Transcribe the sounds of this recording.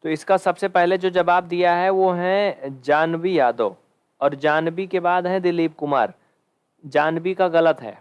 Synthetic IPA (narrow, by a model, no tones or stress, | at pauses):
t̪oːɪskasɐbsepɛɦled͡ʒoːd͡ʒɐbaːbd̪ijaɦɛʋoːɦɛ̃d͡ʒaːnbijaːd̪o̰ː | ɔːɾd͡ʒaːnbikebaːd̪ɦɛ̃d̪ɪliːb̚kʊmaːɾ | d͡ʒaːnbikaɣɐlət̪ɦɛ̰ː